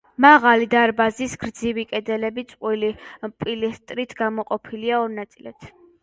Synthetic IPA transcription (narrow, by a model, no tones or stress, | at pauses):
maʁalid̪aɾbazisɡɾd̪zivikʼɛd̪ɛlɛbit̪sʼqʼwilipʼilist̪ʼɾit̪ʰɡamɔqʼɔpʰiliaɔɾnat̪sʼilɛt̪ʰ